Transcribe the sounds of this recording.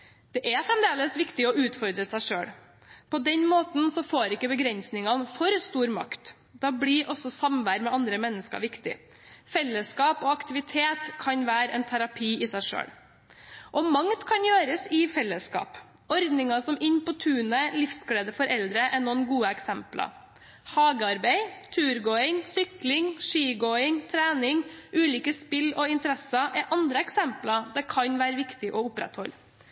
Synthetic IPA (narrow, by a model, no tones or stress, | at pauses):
d̪̥ɛʔæfɾɛmd̪eːləsʋɪkt̪ɪɔʔʉːt̪fɔɾd̪ɾəsæɪʂø̰ːɽ | pʰɔd̪ɛnmoːt̪n̩sɔfoːɾɪkːəbəɡɾɛnsnɪŋɑnfɔɾst̪uːɾmɑ̰kt̪ | d̪ɑːbɽɪʔɔsɔsɑmʋæːɾmɛɑnd̪ɾəmɛnːəskə̰ɾʋɪkt̪ɪ̰ | fɛlːəskɑːpɔːɑkt̪ɪʋɪt̪ʰeːt̪kʰɑnʋæːɾɛ̰nt̪ʰæɾɑpʰiːɪsæɪʂø̰ːɽ | ʔɔmɑŋt̪kʰɑnjøːɾəsɪfɛlːəskɑ̰ːp | ɔɾd̪nɪŋɑsɔmɪɲpʰɔt̪ʰʉːnəlɪfskɽeːd̪əfɔɾʔɛld̪ɾəʔɛnɔnɡuːəɛksɛmplɑ̰ | hɑːɡəɑɾbeɪt̪ʰʉːɾɡoːɪŋsʏklɪŋʂiːɡoːɪŋt̪ʰɾæːnɪŋʔʉːliːkəspɪlɔɪnt̪əɾɛsɑʔɛʔɑnd̪ɾəɛksɛmplɑd̪ɛkʰɑɲʋæːɾəʋɪkt̪ɪʔɔʊpɾɛ̰t̪hɔl